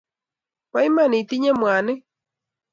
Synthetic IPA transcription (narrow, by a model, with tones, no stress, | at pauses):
wa˦i˦ma˦˨nĩ˨t̪i˦ɲa˦mw̃a˨nɨ̃˦